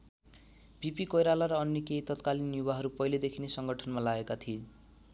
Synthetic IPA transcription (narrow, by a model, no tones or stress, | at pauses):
bipikʌjɾalaɾʌːnjʌkejt̪ʌt̪kalinːjuwaɦʌɾupʌiled̪ekʰinesʌŋɡʱʌʈʰʌnmalaɡekat̪ʰie